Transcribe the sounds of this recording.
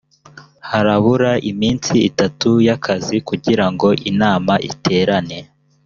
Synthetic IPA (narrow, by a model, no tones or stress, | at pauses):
haɾaβuɾaʔimiːnt͡siitatujakʰazikuɟiɾaŋɡo̞ʔinaːmaʔḭtʰe̞ːɾane̞